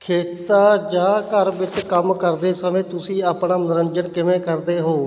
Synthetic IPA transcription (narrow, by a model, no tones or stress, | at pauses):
kʰeːt̪aːd͡ʒaːkəɾʋɪt͡ʃkəmkəɾd̪eːsəmẽːt̪ʊsĩːaːpɳaːmənɪɾənd͡ʒəɳkɪmẽːkəɾd̪eːɦoː